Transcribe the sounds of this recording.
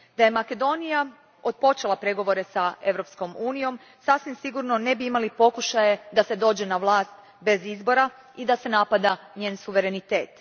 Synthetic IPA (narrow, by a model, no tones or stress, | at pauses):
d̪aje̞make̞d̪o̞nija | o̞t̪̚po̞t͡ʃelˠapɾe̞ɡo̞ʋo̞ɾe̞sae̞ʋɾo̞psko̞muːnijo̞m | sasʋimsiɡuɾno̞ne̞biimalipo̞kuʃaje̞d̪ase̞d̪o̞ːd͡ʒe̞naʋlˠaːst̪ | be̞zizbo̞ɾa | id̪ase̞napad̪a | ɲe̞ːnsuʋe̞ɾe̞nit̪e̞̰ːt̪